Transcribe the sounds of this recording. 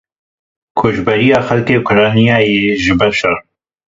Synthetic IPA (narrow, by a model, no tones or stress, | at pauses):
kʰoːʒbɛɾijaːxɐlkeːkʰʊɾɑːnijaːjeːʒɪbɐɾʃɐɾ